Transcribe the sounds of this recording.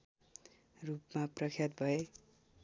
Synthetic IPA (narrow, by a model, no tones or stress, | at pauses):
rupmaprʌkʰijat̪̚bʱʌe